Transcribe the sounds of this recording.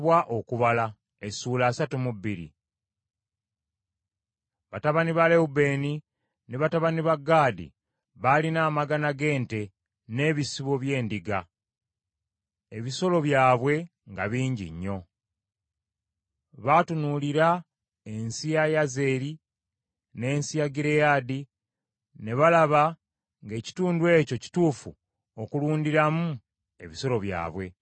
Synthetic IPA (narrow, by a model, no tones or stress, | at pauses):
βwaʔokuβala | esuːlaːsatumubːiɾḭ | βataβaniβaleube̞ːni | neβataβaniβaɡaːdḭ | βalinaːmaɡanaɡe̞ːnte̞ | ne̞βisiβo̞βje̞ːndiɡa | e̞βiso̞lo̞βjaːβwe̞ | ŋɡaβiːɲɟḭɲːo̞ | βatunuːliɾa | e̞nsijajaze̞ːɾi | ne̞ːnsijaɡiɾe̞jaːdi | ne̞βalaβa | ŋɡe̞ːci̥tuːndwe̞ːco̞ci̥tuːfṵ | okuluːndiɾamu | e̞βiso̞lo̞βja̰ːβwe̞